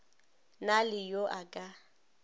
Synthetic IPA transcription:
nalɪjoʔakʼa

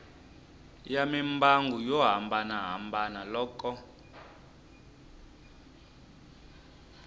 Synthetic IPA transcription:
jamimbaŋɡujɔɦambanaɦambanalɔːkɔ

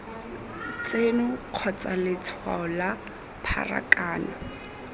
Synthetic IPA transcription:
t͡senʊq͡χʰɔt͡sʼalɪt͡sʰwa̰ɔla | pʰa̰ra̰kʼaːna

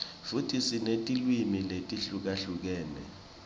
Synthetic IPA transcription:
futʰisinetʼilwimiletʼiɬuk̬aɬuk̬ɛːnɛ̰

